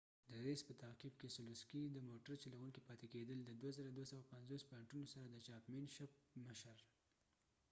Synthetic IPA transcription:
d̪əɾespət̪aqibkesʊluskid̪əmoʈaɾt͡ʃelaɣunkipɑt̪eked̪əld̪əd̪wazəɾad̪wasawapanzospaɳʈunosaɾad̪ət͡ʃɑpmenʃap̚məʃaɾ

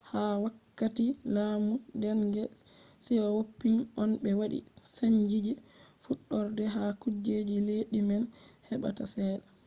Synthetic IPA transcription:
hawakːatilaːmudɛnɡɛ | sɛjawopːinʔɔnɓɛwaɗḭsaɲd͡ʒid͡ʒifuɗːɔɾdɛɦakud͡ʒeːd͡ʒileːɗimɛnhɛɓa̰tasɛːɗa

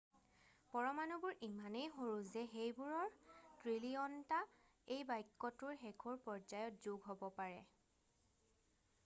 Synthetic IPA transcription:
pɔɹɔmanubʊɹimanejɦoɹuzɛɦejbuɹɔɹtɹiliɔnta | ejbajkːɔtʊɹɦɛkʰɔɹpɔɹd͡ʒajɔt̚zuɡɦobɔpaɹɛ̰

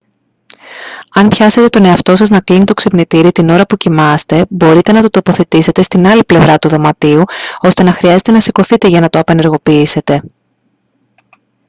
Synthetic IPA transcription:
ɐnpçɐse̞t̪e̞t̪o̞ne̞ɐft̪o̞sɐznɐklinit̪o̞kse̞pnit̪iɾit̪ino̞ɾɐpucimɐst̪e̞bo̞ɾit̪e̞nɐt̪o̞t̪o̞po̞θe̞t̪ise̞t̪e̞st̪inɐliple̞vɾɐt̪uðo̞mɐt̪iuo̞st̪e̞nɐxɾiɐze̞t̪e̞nɐsiko̞θit̪e̞ʝɐnɐt̪oɐpe̞ne̞ɾɣo̞piise̞t̪e̞

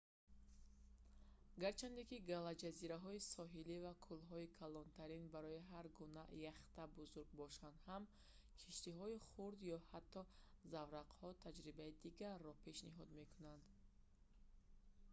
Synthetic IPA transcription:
ɡaɾt͡ʃʰand̪ekiɡalad͡ʒaziɾaɦɔisɔɦilivakʰulɦɔikʰalɔnt̪ʰaɾinbaɾɔiɦaɾɡunajaχt̪abuzuɾɡ̚bɔʃand̪ham | kʰiʃt̪iɦɔiχuɾd̪jɔhat̪ʰːɔzavɾaqhɔt̪ʰad͡ʒɾibaid̪iɡaɾːɔpʰe̞ʃniɦɔd̪me̞kʰunand̪

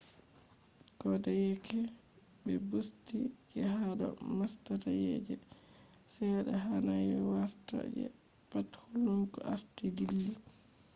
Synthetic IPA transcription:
ɡ̥ɔdajɛkʰɛ | bɛbustid͡ʒɛɦaɗɔ̰mastatajḛd͡ʒɛ | sɛɗɛɦanajɛwaɾta̰d͡ʒɛ̰ | pathuluŋkɔaɾtidilːi

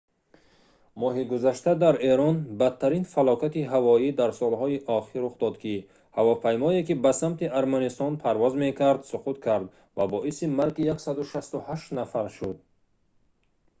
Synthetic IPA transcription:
mɔɦiɡuzaʃt̪ad̪aɾe̞ɾɔnbat̪ʰːaɾinfalɔkʰat̪iɦavɔid̪aɾsɔlɦɔiʔɔχiɾːuχd̪ɔd̪kʰi | havɔpʰajmɔekibasamt̪ʰiʔaɾmanist̪ɔnpʰaɾvɔzme̞kʰaɾd̪suqut̪kʰaɾd̪ | vabɔʔisimaɾɡijaksad̪uʃast̪uhaʃt̪nafaɾʃud̪̚

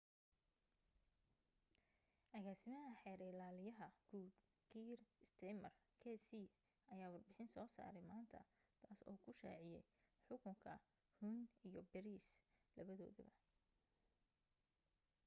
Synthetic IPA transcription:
ʔɐɣaːsɪmɐɦɐħɛːɾɛːlaːlɪjɐɦɐɡ̥uːd̪ | kʰiːrɪst̪ʰɛmɐrkʰɛːsiː | ɐjaːwɑrbɪħɪnsɔːsa̰ːɾɛjmaːnt̪ʰɐ̰ | t̪ʰaːsɔ̰ːkʰʊʃa̰ːʕɪjɛjħʊkʊŋkʰɐ | huːnijɔbɛɾiːslɐβɐðɔːðɐ̰βɐ

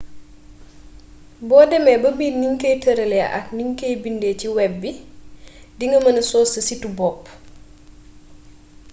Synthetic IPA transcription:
bɔːdɛmɛbɐbiːniŋkejtɐɾɐlɛ̰ʔɐ̰kniŋkejbindɛt͡ʃiwɛbːi | diŋɡɐmɐnɐsɔːsɐsitubɔːpː

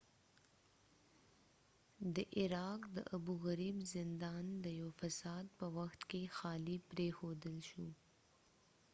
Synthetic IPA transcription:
d̪əʔɪɾɑqd̪əʔabuɣaɾibzɪnd̪ɑnd̪əjawfasɑd̪̚pəwaxt̪kexɑlipɾexod̪əlʃu

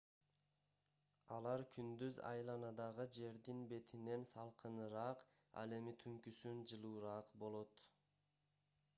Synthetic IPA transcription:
ɑlˠɑɾkʰynd̪yzɑ̰jlˠɑnɑd̪ɑʁɯd͡ʒe̞ɾd̪inbe̞t̪ʰine̞nsɑlˠqʰɯnɯɾɑːq | ɑ̰lˠe̞mit̪ʰyŋkysynd͡ʒɯlˠuːɾɑːqbo̞lˠo̞t̪

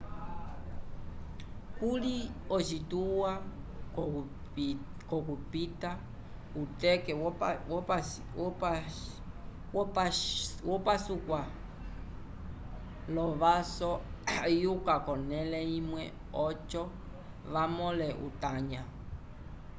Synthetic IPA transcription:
kuliɔt͡ʃituwa | kɔkupita | utɛkɛwwɔp | wɔpwɔpasukwa | lɔβasɔjukakɔnɛlɛimwɛ | ɔt͡ʃɔ | ʋamɔlɛʔṵt̪aɲa

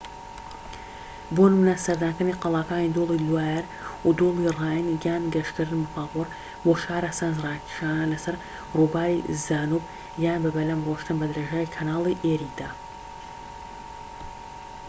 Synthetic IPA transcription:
bonmunɐsɐɾd̪aːnkɨniqɑlˠɑːkaːnid̪oːlˠiluwaːjɛɾ | ud̪oːlˠiraːjənɡaːnɡɐʃkɨɾɨnbɐpaːpoɾ | boːʃaːɾasanzrˤɑːkʰi̥ʃaːnɐlɐsɐɾ | rubaːɾḭzaːnub | jaːnbɐbɐlɐmroʃt̪ɨnbɐd̪ɾeːʒaːikʰɐnaːlˠiʔeɾiːd̪aː

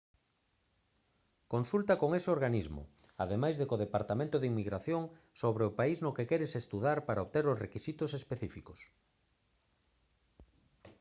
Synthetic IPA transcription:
konsult̪ɐkoŋeseoɾɣanizmʊ̰ | a̰ðemajzðekoð̞epaɾt̪amẽnt̪ʊðiŋmiɣɾaθjoŋ | soβɾeʊpaiznʊkekɛɾesest̪uðaɾpaɾaoβt̪eɾʊsrekisit̪ʊsespeθifikos

